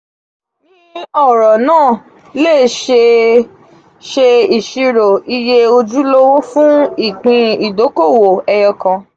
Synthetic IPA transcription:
nĩ˦ɔ˦˨ɾɔ˨nãː˦˨ | leː˦˨ʃe˧ | ʃe˧i˨ʃi˧ɾo˨i˧je˦o˧d͡ʒu˦lo˦wo˦fũ˦i˦˨k͡pĩ˧i˨do˨˦ko˦˨wo˨ɛ˧jɔ˧kã˧

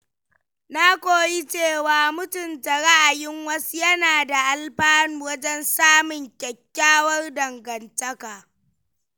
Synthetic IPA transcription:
naː˦kʷoː˦ji˦t͡ʃeː˦˨waː˨mʊ˦tʊ˨nta˨ɽa˦ʔa˨jɪ˦ŋwɐ˦su˦jɐ˦naː˨da˨ʔa˦˨lɸaː˦nuː˦˨wɐ˦d͡ʒɛ˦nsaː˦mʊ˨ŋkʲɐ˨kʲːaː˦wɐ˦rdɐ˨ŋɡɐ˨ntɐ˦kaː˨

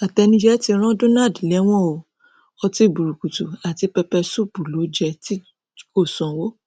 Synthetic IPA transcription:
a˨tɛ˨˧nĩ˧˦d͡ʒɛ˦ti˧ɾ̃ã˦do˦na˦˨dlɛ˨˦w̃ɔ̃˦˨o˨ | ɔ˧ti˧˨bu˨ɾu˨ku˨tu˨a˨ti˨˧pɛ˧pɛ˧su˦bu˨lo˨˦d͡ʒɛ˧ti˦ | ko˦˨sɔ̃˨wo˦

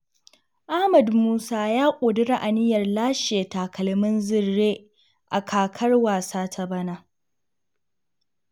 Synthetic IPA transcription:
ʔa˦hmɐ˨dmuː˦saː˦jaː˦kʷʼoː˨dʊ˦ɾa˦ʔa˨nɪ˦jɐ˨rlaː˦ʃeː˨taː˨kʰɐ˨lmɪ˦nzɪ˦rːeː˦ | ʔa˨kʰaː˨kʰɐ˦rwaː˨saː˦tʰa˦bɐ˦naː˦

